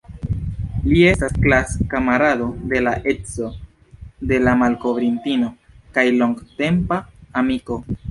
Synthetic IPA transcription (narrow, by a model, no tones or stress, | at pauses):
lie̞stasklaskamaɾado̞de̞laʔe̞t͡so̞ | de̞lamalko̞vɾintino̞ | kajlo̞ŋɡte̞mpaːmiko̞